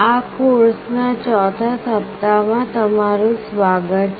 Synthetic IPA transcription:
akuɾsnat͡ʃɔt̪ʰasəp̚t̪amãt̪əmaɾũsʋaɡət̪

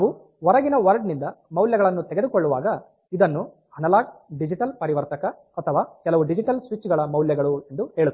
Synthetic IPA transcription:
naːʋu | ʋɔɾɐɡinɐʋɐɾɖnind̪ɐmɐwljɐɡɐɭɐnːut̪ɛɡe̞d̪ukɔɭːuʋa̰ːɡɐ | id̪ɐnːu | ɐnɐlaːɡɖid͡ʒiʈɐlpɐɾiʋɐɾt̪ɐkɐːt̪ʰɐʋaːkɛlɐʋuɖid͡ʒiʈɐlsʋit͡ʃːɡɐɭɐmɐwljɐɡɐɭue̞nd̪uheːɭi

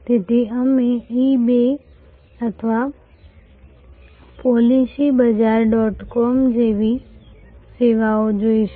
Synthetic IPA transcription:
t̪et̪iəmẽibe | ɐt̪ʰəʋa | pɔːlisibəd͡ʒaɾɖɔːʈkɔːmd͡ʑeːʋi | seːʋaod͡ʒoːiʃ

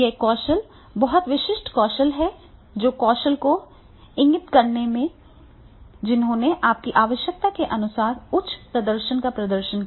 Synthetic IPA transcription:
jekɔːʃəl | bɐɦɔt̪ʋɪʃɪʃʈkɔːʃəlɦɛ | d͡ʒoːkɔːʃəlko | ɪ̃ŋɡɪt̪kɐɾnemẽ | d͡ʒɪnɦõːneʔaːp̚kiʔaːʋəʃjək̚t̪akeʔɐnʊsaːɾʊtːt͡ʃʰːpɾɐd̪əɾʃənkapɾɐd̪əɾʃən

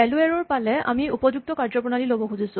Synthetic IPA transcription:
ɛluɛɹɔɹpalɛʔa̰miupɔd͡ʑuk̚tɔkaɹd͡ʒɔpɹɔnalilobɔxuzisʊ

